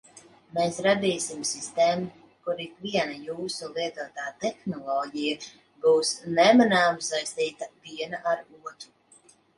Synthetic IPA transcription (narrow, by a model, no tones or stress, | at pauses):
meːsɾad̪iːsimsist̪ɛːmu | kuɾikviɛnajuːsulˠiɛt̪uɔt̪aːt̪ɛxnɔlˠɔːɟija | buːsnɛmanaːmsajst̪iːt̪apiɛnaʔaɾuɔt̪u